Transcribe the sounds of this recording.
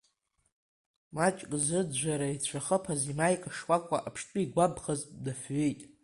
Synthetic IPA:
mat͡ʃʼkʼzɨdd͡ʒʷaɾait͡ɕʷʰaχəpʰazimajkʼaʂwakʷʼa̰ʔapʰʂtʷʼʊiɡʷabχazdafɥejtʼ

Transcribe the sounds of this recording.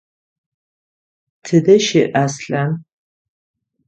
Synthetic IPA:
tʰɨdɐʃeʔasɬan

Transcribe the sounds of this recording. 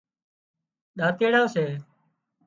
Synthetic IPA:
ɗaːt̪eːɽãːseː

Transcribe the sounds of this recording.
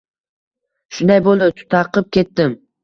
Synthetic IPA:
ʃʊnd̪ajbolˠɪt̪ʰʊ̥t̪ʰɑqʰɨp̚kʲʰe̞t̪ːɪm

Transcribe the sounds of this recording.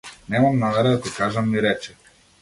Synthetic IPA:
nɛmamnamɛɾad̪at̪ɔkaʒamːiɾɛt͡ʃɛ̥

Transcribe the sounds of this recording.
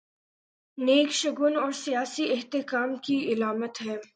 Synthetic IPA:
neːkʃɐɡʊnɔːɾsijaːsiɪɦt̪ɪkaːmkiɪlaːmət̪ɦɛː

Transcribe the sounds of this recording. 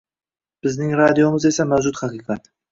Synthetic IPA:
b̥ɪznɪŋɾɑd̪ijomɨzesamæwʒut̪hɑqiqɑt̪

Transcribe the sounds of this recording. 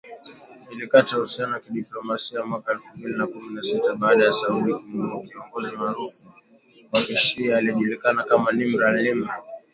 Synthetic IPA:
nilikatahusianaakiɗiplɔmasiamwakaɛlfumbilinakuminasitaɓaːɗajasauɾikiakiɔŋɡɔzimaːɾufu | kwaʔɛʃiaːliɛʄulikanakamanim̩ɾalimɾa

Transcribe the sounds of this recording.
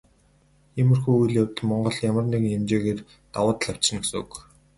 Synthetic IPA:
emɘ̆rxujujɮjawʲt̪̆mɔɴɢɞ̆ɮjamə̆rnekɘŋemt͡ɕeːɣeːr | t̪awʊːt̪̆ɮaw̥t͡ɕ̆nɵ̆ksk

